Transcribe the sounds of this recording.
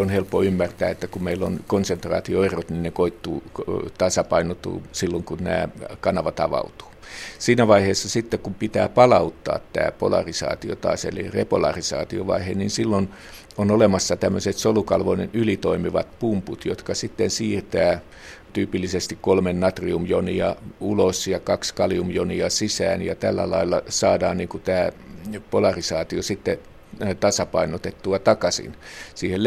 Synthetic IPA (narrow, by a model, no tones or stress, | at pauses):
onhelpːoymːært̪æːet̪ːækummeilːonkonsent̪rɑ̰ːt̪ioerot̪ninnekoit̪ːṵːt̪ɑsɑpɑinot̪ṵːsilːoŋkunnæ̰ːkɑnɑʋɑt̪ɑ̰ʋɑ̰ut̪u̥ːsiːnæʋɑiheːsːɑsit̪ːekumpit̪æ̰ːpɑlɑut̪ːɑ̰ːt̪t̪æ̰ːpo̰lɑ̰risɑ̰ːt̪io̰t̪ɑ̰ːsḛlḭrepolɑ̰risɑ̰ːt̪ioʋɑ̰iheninsilːon | onolemɑsːɑt̪æmːøset̪solukɑlʋonenylit̪oimiʋɑ̰t̪pumput̪jot̪kɑsit̪ːensiːrt̪æː | t̪yːpilːisest̪ikkolmennɑt̪riumjoniɑulosjɑkɑkskɑliumjoniɑsisæ̰ːnjɑt̪ælːæ̰lɑ̰ilˑːɑsɑːdɑːnniŋkut̪æːpolɑrisɑːt̪iosit̪ːe | t̪ɑsɑpɑinot̪et̪ːuɑt̪ɑkɑsḭnsiːhel